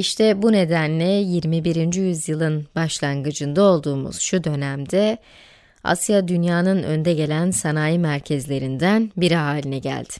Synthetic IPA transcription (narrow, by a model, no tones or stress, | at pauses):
iʃt̪ʰɛbune̞d̪ænlʲɛjiɾmibiɾind͡ʒijyzjɯlˠɯnbaʃlˠanɡɯd͡ʒɯnd̪ao̞lˠd̪uːmṵz̥ʃud̪ø̞næmd̪ɛ | a̰sjad̪ynjaːnɯnø̞̰nd̪ɛɟe̞lʲænsanaːjimæɾcʰɛzlʲe̞ɾind̪ænbiɾiɦaːlʲinɛɟæ̰lʲd̪̥ɪ̥